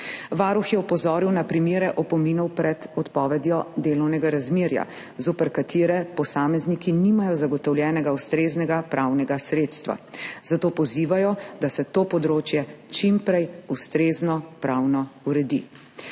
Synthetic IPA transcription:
ʋaːɾuxjɛɔpɔzɔːɾiwnapɾimjeːɾɛʔɔpɔminɔwpɾɛt̪ɔt̪pɔːʋɛd̪jɔd̪eːlɔwnɛɡaɾazmeːɾja̰ | zoːpɛɾkat̪ʰeːɾɛpɔsaːmɛznikiniːmajɔzaɡɔt̪ɔwljɛːnɛɡaust̪ɾeːznɛɡapɾʔawnɛɡasɾeːt̪st̪ʋa̰zat̪oːpɔziːʋajɔd̪asɛt̪oːpɔd̪ɾoːt͡ʃjɛt͡ʃimpɾɛjust̪ɾeːznɔpɾawnɔuɾɛd̪i

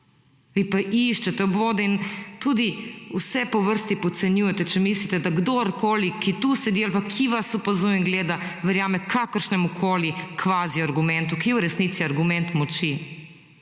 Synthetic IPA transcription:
ʋipaʔiʃt͡ʃɛt̪ɛɔbʋoːd̪ɛint̪uːd̪iusɛpɔʋəɾst̪ipɔt̪sɛnjuːjɛt̪ɛt͡ʃɛmislit̪ɛd̪aɡd̪oɾkoːlikit̪usɛd̪ialpakʰiʋasɔpazujiŋɡleːd̪aʋɛɾjaːmɛkʰakəɾʃnɛmukʰoːlikʰʋaːziaɾɡumɛ̃nt̪ukiɛuɾɛsniːt̪siaɾɡumɛ̃nt̪mɔt͡ʃi

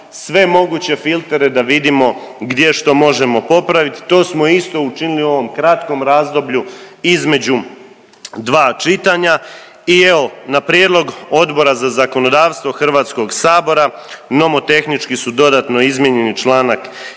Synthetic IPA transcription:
sʋe̞mo̞ɡut͡ɕe̞filˠt̪e̞ɾe̞d̪aʋid̪imo̞ɡd̪je̞ʃt̪o̞mo̞ʒe̞mo̞po̞pɾaʋit̪i̥t̪o̞ːsmo̞ist̪o̞ut͡ʃiniliuo̞ʋo̞mkɾat̪ko̞mɾaːzd̪o̞bʎuizme̞d͡ʑu | d̪ʋaːt͡ʃit̪aɲa | ieonapɾjeːd̪lo̞ɡo̞d̪bo̞ɾazazako̞no̞d̪aːʋst̪ʋo̞xr̩ʋaːt̪sko̞ɡsaːbo̞ɾa | no̞mo̞t̪e̞xnit͡ʃkisud̪o̞d̪aːt̪no̞izmjeɲe̞nit͡ʃlˠaːnak

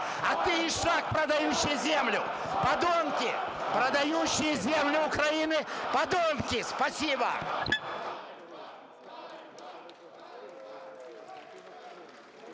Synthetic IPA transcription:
ɐt̪ɨɪʂak̚pɾəd̪ɐjuɕːɪjzʲemlʲʊ | pɐd̪omkʲɪpɾəd̪ɐjuɕːɪjəzʲemlʲʊʊkɾɐinɨpɐd̪omkʲɪspɐsʲibə̰

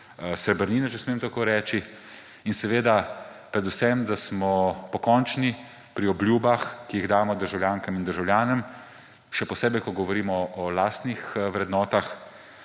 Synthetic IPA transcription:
sɛbəɾniːnɛt͡ʃɛsmemt̪akoːɾɛːt͡ʃi | insɛʋeːd̪apɾɛd̪usɛmd̪asmɔpɔkɔnt͡ʃni | pɾiɔblʲjuːbaxkijiɣd̪aːmɔd̪əɾʒawlʲjaːŋkamind̪əɾʒawlʲjaːnəm | ʃɛpɔseːbɛjkɔɡɔʋɔɾiːmɔɔlaːst̪nixʋɾɛd̪nɔːt̪ax

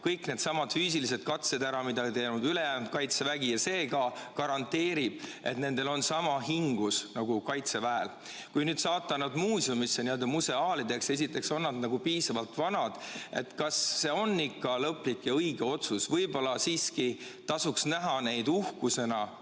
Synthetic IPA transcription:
kɤjkˑne̞d̪̥sɑmɑd̪̥fyːs̬ilis̬e̞d̪̥kɑt̪se̞d̪æɾɑmid̪ɑit̪e̞ːnud̪ylejæːnb̪kɑjt̪se̞væɡ̥ijɑse̞ːɡɑkɑɾɑnt̪ːe̞ːɾib̥et̪ne̞nd̪̥e̞lo̞nsɑmɑɦiŋɡ̥usnɑɡ̥ukɑjt̪se̞væel | kujnyːd̪sɑːt̪ːˑɑnɑd̪muːsjumisːeniø̞ld̪ɑmuse̞ɑːlid̪e̞kse̞sit̪ːˑe̞kso̞nːɑd̪nɑɡ̥upiːsɑvɑlt̪vɑnɑd̪̥e̞̰t̪kɑsːe̞o̞nːikːɑlɤpːˑlikːjɑɤjɡ̥eo̞t̪susvɤjbo̞lɑsiːski | t̪ɑsuksnæɦɑne̞jd̪̥uhkuse̞nɑ

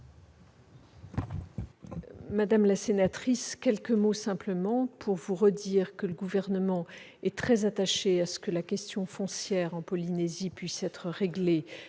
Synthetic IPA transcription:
mad̪amlasenat̪χiskʲɛlkəmosɛ̃pləmɑ̃pʰuʁvuʁəd̪iːʁkələɡuvɛʁnəmɑ̃ | ɛt̪χɛzat̪aʃeasə̥kəlakʲɛst̪jɔ̃fɔ̃sjɛʁɑ̃pɔlinezipɥisɛt̪χəʁeɡle

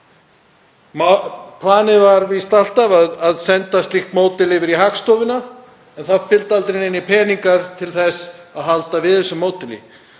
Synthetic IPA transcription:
mpʰlaːnɪvaɾvist̪al̥t̪avaðaðsɛnt̪ast̪lixt̪moːwt̪ɪlɪvɪɾiɦakst̪owvɪnːa | ɛnθaðfɪlt̪alt̪ɾɪnɪnːɪpʰɛːniŋkaɾ̥t̪ʰɪlθɛsaðɦalt̪avɪðɛsːʏmːoːwt̪ɪlḭ

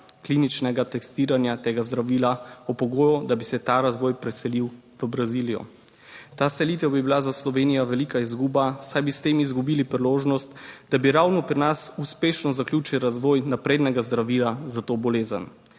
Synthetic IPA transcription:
kliːnit͡ʃnɛɡat̪ɛst̪iːɾanjat̪eːɡazd̪ɾaʋiːlaɔpɔɡoːjɔd̪abisɛt̪aɾazʋɔːjpɾɛsɛliw | ʋəbɾaziːlijɔ̰ | t̪aːsɛliːt̪ɛwbibilazaslɔʋeːnijɔʋɛlikaizɡubasajbist̪eːmizɡubiːlipɾiloːʒnɔst̪d̪̥abiɾawnɔpɾinasuspeːʃnɔzakljut͡ʃiwɾazʋɔːjnapɾeːd̪nɛɡazd̪ɾaʋiːlazat̪oːbɔleːzə̰n

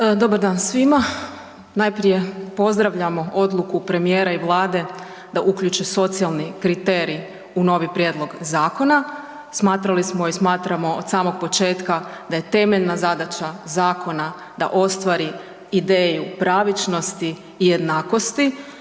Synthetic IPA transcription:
d̪o̞baɾd̪aːnsʋima | najpɾije̞po̞zd̪ɾaʋʎamo̞o̞d̪lˠukupɾe̞mijeːɾaiʋlˠaːd̪e̞ | d̪aʔukʎut͡ʃeso̞t̪sialˠnikɾit̪eːɾi | uno̞ʋipɾje̞d̪lˠo̞ɡzaːko̞na | smaːt̪ɾalismo̞ismaːt̪ɾamo̞od̪saːmo̞ɡ̚po̞t͡ʃe̞ːt̪kad̪aje̞t̪e̞meʎnazad̪at͡ʃazaːko̞na | d̪̥a̰ʔo̞st̪ʋaɾi | id̪eːjupɾaːʋit͡ʃno̞st̪iː | je̞d̪naːko̞st̪i

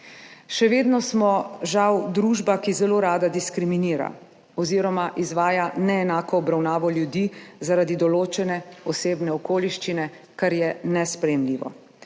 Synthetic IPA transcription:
ʃɛʋeːd̪nɔsmɔʒawd̪ɾuʒbakizɛloːɾaːd̪ad̪iskɾiminiːɾa̰ | ɔziːɾɔmaʔizʋaːjanɛːnaːkɔːbɾawnaːʋɔljud̪izaɾad̪id̪ɔloːt͡ʃɛnɛɔseːbnɛɔkoːliʃt͡ʃinɛ | kaɾjɛnɛspɾɛjɛmliːʋɔ̰

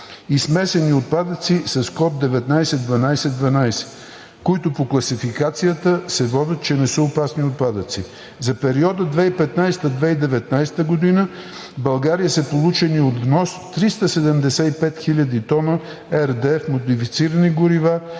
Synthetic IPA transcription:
ismɛsɛniot̪̚pad̪ət̪sisɐskɔb̪̚d̪ɛvɛt̪najsɛd̪vɐnajsɛd̪vɐnajsɛ̥ | koit̪opoklˠɐsifikat̪sijət̪əsɛvɔd̪ʲət̪̚t͡ʃɛnɛsəopasniot̪̚pad̪ət̪si | zɐpɛɾiɔd̪əd̪vɛipɛt̪najst̪əd̪vɛid̪ɛvɛt̪najst̪əɡod̪inə | bɐlˠɡaɾijəsəpolˠut͡ʃɛniod̪vnɔst̪ɾist̪əsɛd̪ɛmd̪ɛsɛipɛt̪xilʲəd̪it̪ɔnə | ɛɾd̪ɛɛfmod̪ifit̪siɾəniɡʊɾiva

